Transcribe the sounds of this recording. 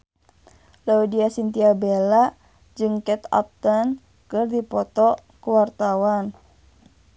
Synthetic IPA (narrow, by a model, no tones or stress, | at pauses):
laudiasint̪iabela | d͡ʒɨŋkɛt̪a̰p̚t̪an | kɨrdipɔt̪ɔkəwart̪awan